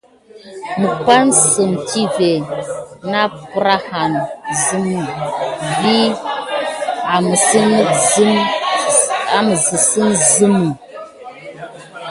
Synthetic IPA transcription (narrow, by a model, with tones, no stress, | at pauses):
mə˨pa˦nsə˨mti˦ve˨na˦pɾa˦ha˨nzɨ˦mu˦˨bi˦ | a˨mə˨si˦nə˦k̚zm | a˨mə˨zə˨sə˦nzɨ˦mu˨